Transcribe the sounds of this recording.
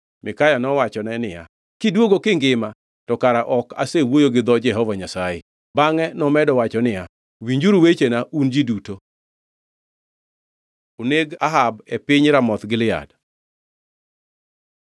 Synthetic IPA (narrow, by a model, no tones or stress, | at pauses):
mɪkajanɔwat͡ʃɔnɛnɪja | kɪdwoɡokɪŋɡɪma | tɔkaɾaʔɔka̰sewojoɡɪd̪ɔd͡ʒɛɦɔvaɲasaje | baŋɛnɔmɛdɔwat͡ʃɔnɪja | wiɲd͡ʒuɾwet͡ʃenaʔund͡ʒiduto | oneɡaɦabɛpɪɲɾamɔt̪ɡɪlɪa̰d